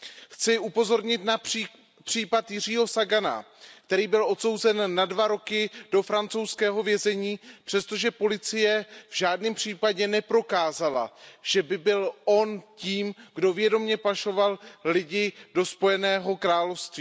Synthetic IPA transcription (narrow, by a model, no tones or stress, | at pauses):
xt͡sɪʔupo̞zo̞ɾɲɪt̪na | pr̥iːpat̪jɪr̝iːɦo̞saɡana̰ | kt̪ɛɾiːbɪlʔo̞t̪so̞wzɛnːadvaɾo̞kɪd̥o̞fɾant͡sowskɛːɦo̞vjɛzɛɲiːpr̥ɛst̪o̞ʒɛpo̞lɪt͡sɪjɛvʒaːdnɪmpr̝̥iːpaɟɛnɛpɾo̞kaːzala̰ʒ̥ɛbɪbɪlʔo̞nciːmɡdo̞vjɛdo̞mɲɛpaʃo̞vallɪɟɪdo̞spo̞jɛnɛːɦo̞kɾaːlofst̪viː